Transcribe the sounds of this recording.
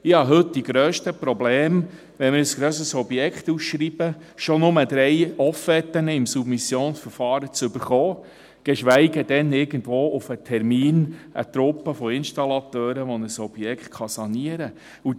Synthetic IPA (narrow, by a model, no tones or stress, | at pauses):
ɪhɑɦɵt̚d̥iɡɾøːʃtəpɾɔblɛːm | ʋɛnmɪɾəsɡ̥ɾøːsəsɔbjɛkχt̪usʃɾiːb̥ə | ʃonʊməd̥̪ɾɛjɔfɛt̪ːənəɪmsubmisjoːnsfəɾfɑːɾət͡sʏbəɾχɔː | ɡ̥ɛʃʋæɪɡəd̥ɛnɪɾɡ̥ən̩tʋoːʔufətʰɛɾmiːnʔə̰t̪ɾʊpːəfɔɪnʃtɑlɑt̪øːɾəʋɔnəsɔb̥jɛkχtχɑsɑniəɾə | u